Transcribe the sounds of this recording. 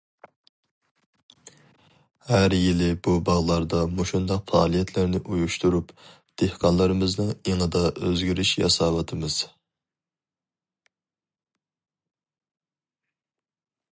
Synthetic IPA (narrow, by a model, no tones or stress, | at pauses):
hæɾjilɪbubɑʁlˠɑɾd̪ɑmoʃund̪ɑqfɑ̰ːlˠijɛt̪ʰlæɾnɪʔujuʃt̪uɾup | d̪̥ehqʰɑnlˠɨɾɨmɨznɨŋeŋɨd̪ɑʔøzɡʲiɾɪʃjɑ̰sɑːwɑt̪ʰɨmɨz̥